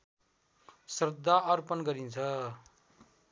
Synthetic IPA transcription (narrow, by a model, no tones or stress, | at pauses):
srʌd̪ʱːaʌrpʌnɡʌɾint͡sʰʌ